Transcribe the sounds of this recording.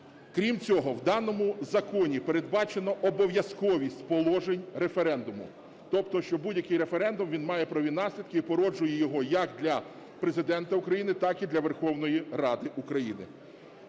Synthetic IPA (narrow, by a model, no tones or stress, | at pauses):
kɾʲimt͡sʲɔɦɔwd̪ɑnɔmʊzɐkɔnʲipeɾed̪̚bɑt͡ʃe̞nɔʔɔbɔʋʲjɐskɔʋʲisʲtʲpɔlˠɔʒenʲɾe̞feɾɛnd̪ʊmʊ̰ | t̪ɔpt̪ɔʃt͡ʃɔbudʲjɐkɪjɾe̞feɾɛnd̪ʊmʋʲinmɑjɛpɾɐʋʲinɑsʲlʲid̪kɪipɔɾɔd͡ʒʊjɛjɔɦɔjɐkd̪lʲɐ | pɾezɪd̪ɛnt̪ɐʊkɾɐjinɪt̪ɑkid̪lʲɐʋerxɔwnɔjirɑd̪ɪʔukɾɐjinɪ̰